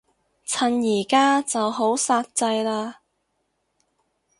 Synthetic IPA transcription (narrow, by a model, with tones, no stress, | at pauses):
t͡sʰɐ˨njiː˨˩kaː˥t͡sɐ˨wɦo˨˥wsaː˧t̚t͡sɐ˧jlaː˧